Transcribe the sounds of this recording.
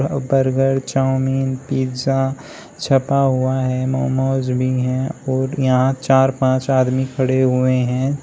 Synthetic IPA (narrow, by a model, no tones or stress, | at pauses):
bɐɾɡəɽt͡ʃaːʊmiːnpiːza | t͡ʃʰɐpaɦʊaɦɛmɔːmoːzbʱiɦɛ̃ɔːɾjɐɦãt͡ʃaːɾpãːt͡ʃaːd̪mikʰɐɽeɦʊeɦɛ̃ː